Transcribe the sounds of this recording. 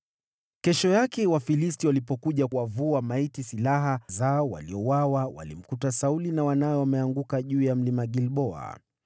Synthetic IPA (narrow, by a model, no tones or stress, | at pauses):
kɛʃɔjakɛwafilistiwalipɔkuʄawavuamaitisilaɦazaɔwa̰liɔwawawa̰lḭm̩kutasaulinawanajɔwamɛaŋɡukaʄuːjam̩limaɡilɓɔa̰